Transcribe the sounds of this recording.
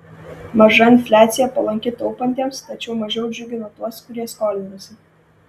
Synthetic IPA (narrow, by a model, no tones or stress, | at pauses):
mɐʒɐɪnʲfʲlʲæːt̪sʲɪjɛpɐlˠɐŋʲkʲɪt̪ɔʊpɐnʲt̪ʲiɛmst̪ɐt͡ʃʲɛʊmɐʒʲɛʊd͡ʒʲʊɡʲɪnoɔt̪uɔskʊɾʲiɛskoːlʲɪnosʲɪ